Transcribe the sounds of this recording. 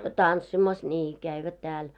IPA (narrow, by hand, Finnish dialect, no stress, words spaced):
tɑnsːimɑs nʲiː kæiʋæt tæːl